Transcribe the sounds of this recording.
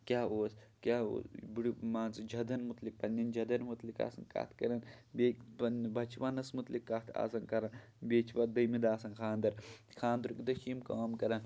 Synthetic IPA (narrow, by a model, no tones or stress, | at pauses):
kʲaːoːskʲaːo̰ːsbiɽimaːnt͡sd͡ʒʱɐd̪ɐnmut̪lik̚pɐnʲːɐnd͡ʒʱɐd̪ɐnmut̪lika̰ːsɐnka̰ːt̪ʰkɐɾɐnbeːkpɐnbɐt͡ʃʰʋaːnɐsmut̪likːat̪ʰa̰ːsɐnkɐɾɐn | beːt͡ʃʰʋad̪ɐjmid̪aːsɐnkʰaːnd̪ɐɾkʰaːnd̪ɐɾkid̪ɐʃiːmkaːmkɐɾɐn